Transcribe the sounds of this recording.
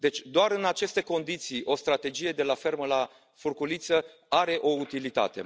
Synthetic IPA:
d̪e̞t͡ʃʲd̪oaɾɨnat͡ʃe̞st̪e̞ko̞nd̪it̪sijʔo̞st̪ɾat̪e̞d͡ʒije̞d̪e̞lafe̞rməla | furkulit̪sə | aɾe̞ʔo̞ut̪ilit̪a̰t̪e̞̰

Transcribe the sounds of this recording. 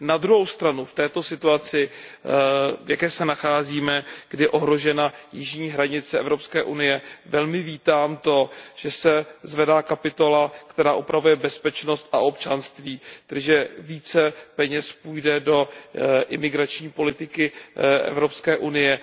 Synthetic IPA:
nad̪ɾuɦo̞wst̪ɾanuft̪ɛːt̪o̞sɪt̪uat͡sɪ | vjakɛːsɛnaxaːziːmɛɡ̥dɪjɛʔo̞ɦɾo̞ʒɛnajɪʒɲiːɦɾaɲɪt͡sɛɛvɾo̞pskɛːʔunɪjɛvɛlmɪviːt̪aːmt̪o̞ʒ̥ɛsɛzvɛdaːkapɪt̪o̞lakt̪ɛɾaːʔupɾavujɛbɛspɛt͡ʃno̞st̪aʔo̞pt͡ʃanst̪viːt̪ɛʒɛviːt͡sɛpɛɲɛspuːjdɛdo̞ʔɪmɪɡɾat͡ʃɲiːpo̞lɪt̪ɪkɪʔɛ̰vɾo̞pskɛːʔunɪjɛ

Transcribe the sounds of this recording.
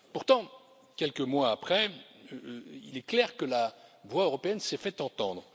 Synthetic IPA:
puʁt̪ɑ̃ | kʲɛlkəmwaːpχɛ | ḭlɛklɛʁkəlavwaøʁɔpeɛnsɛfɛt̪ɑ̃t̪ɑ̃d̪ʁə

